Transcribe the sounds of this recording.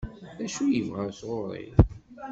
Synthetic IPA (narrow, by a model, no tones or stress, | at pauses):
æʃujəvʁæɾsʁoɾˤḭ